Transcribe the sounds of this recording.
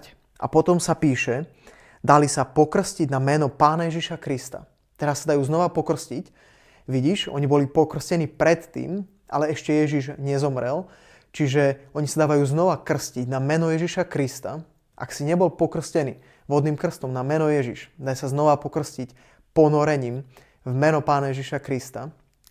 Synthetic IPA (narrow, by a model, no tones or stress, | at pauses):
ʔa̰pɔt̪ɔmsapiːʃɛ | d̪alisapɔkr̩sciɟnamɛnɔpaːnajɛʒiʃakɾist̪a̰ | t̪ɛɾasːad̪ajuːznɔʋapɔkr̩scic | ʋiɟiːʃɔ̰ɲibɔlipɔkr̩scɛniːpɾɛt̪ːḭːm | ʔa̰lɛɛʃcɛjɛʒiʒɲɛzɔmɾɛl | t͡ʃiʒɛɔɲisad̪aːʋajuːznɔʋakr̩sciɟnamɛnɔjɛʒiʃakɾist̪a | ʔa̰ksiɲɛbɔlpɔkr̩scɛnḭː | ʋɔd̪niːmkr̩st̪ɔmnamɛnɔjɛʒḭʃd̪ajsaznɔʋapɔkr̩scic | pɔnɔɾɛɲiːm | vmɛnɔpaːnajɛʒiʃakɾist̪a